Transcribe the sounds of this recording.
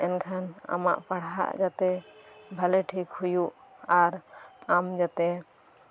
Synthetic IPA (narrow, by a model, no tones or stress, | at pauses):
ɛnkʰana̰ma̰ʔpaɽ̤a̰ʔd͡ʒat̪ɛbʱaleʈʰikhujuʔaɾamd͡ʒat̪ɛ